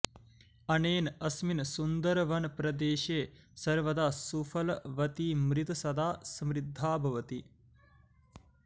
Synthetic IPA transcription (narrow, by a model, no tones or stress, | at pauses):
ɐneːnɐsminsund̪ɐɾʋɐnpɾɐd̪eːʃeːsɐɾʋɐd̪aːsufʰɐlʋɐt̪iːmɾit̪ɐsɐd̪aːsɐmɾid̪ʱːaːbʱɐʋɐt̪i